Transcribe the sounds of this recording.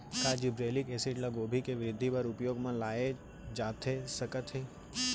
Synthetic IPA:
kaːd͡ʒɪbɾeːlɪkeːsɪʈlaɡoːbʱikeʋɪɾɪd̪ʱːipɐɾʊpjoːɡmãlaːe | d͡ʒaːt̪esɐkət̪ɦeː

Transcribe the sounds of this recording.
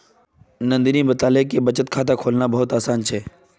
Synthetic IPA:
nɐ̃nd̪inĩbət̪aːlekebət͡ʃət̪̚kʰaːt̪̬akʰoːlnabɐɦʊt̪aːsaːnt͡ʃʰɛː

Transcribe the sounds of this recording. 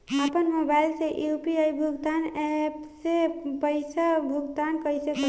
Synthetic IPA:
əpənmobajlseʔjupiajbʱuɡt̪anɛpsepəjsəbʱuɡd̪ankəjsek

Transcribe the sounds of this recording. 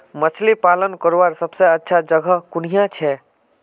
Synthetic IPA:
mət͡ʃʰlipalənkəɾʋaɾsəbseətːʃʰad͡ʒəɡʱəkun̤ijãt͡ʃʰɛ

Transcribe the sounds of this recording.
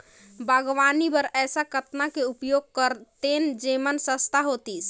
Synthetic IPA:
bʱəɡʋanibəɾɛːsakət̪nakeupjoɡ̚kəɾt̪end͡ʒemənsəst̪ʰaɦot̪is

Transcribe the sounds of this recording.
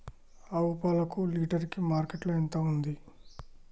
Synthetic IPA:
ɐwupaːlɐkuliːʈɐɾikimaːɾkeʈluɐnt̪ɐund̪i

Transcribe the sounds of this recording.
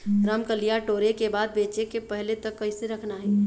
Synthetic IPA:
ɾamkəlijaʈoːɾekebaːd̪̚beːt͡ʃekepɛɦlet̪ɐkːɐiseɾɐkʰnaɦɛː

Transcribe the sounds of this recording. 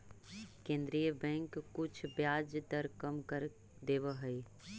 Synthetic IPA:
kẽnd̪ɾijəbɛ̃ŋkːʊt͡ʃʰbjad͡ʒt̪əɾkəmkəɾ | d̪ebəɦəi

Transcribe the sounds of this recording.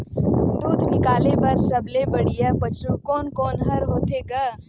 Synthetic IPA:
d̪uːd̪ʱnɪkaːlepɐɾsɐblebɐɽijapɐt͡ʃukɔːnkɔːnɦɐɾɦoːt̪eɡaː

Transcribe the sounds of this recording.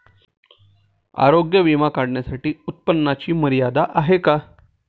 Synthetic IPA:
a̰ɾoɡjəʋimakaɽɳjasaʈiːut̪̚pənːat͡ɕiːməɾijad̪aʔaɦeka

